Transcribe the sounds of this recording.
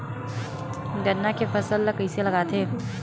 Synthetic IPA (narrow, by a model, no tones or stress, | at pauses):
ɡəɾnakefʰɐsəlkəiselɐɡaːt̪ʰeː